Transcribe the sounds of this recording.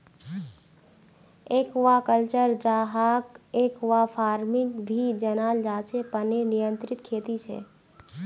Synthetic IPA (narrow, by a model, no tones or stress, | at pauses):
ekʋakəlt͡ʃəɾd͡ʒaɦaːkeːkʋapʰaːɾmɪŋɡbʱid͡ʒənaːld͡ʒaːt͡ʃʰepənenijənt̪ɾɪt̪kʰeːt̪it͡ʃʰɛ̰